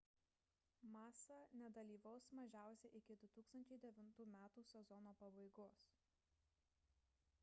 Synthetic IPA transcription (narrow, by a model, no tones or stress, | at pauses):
mɑːsɑnʲɛd̪ɐlʲiːʋɐʊsmɐʒʲæˑʊsʲɛʔɪkʲɪd̪ʊt̪uːkst̪ɐnʲt͡ʃʲɛɪd̪ʲɛʋʲɪnt̪uːmʲæːt̪uːsʲɛzɔnoːpɐbɐɪɡoːs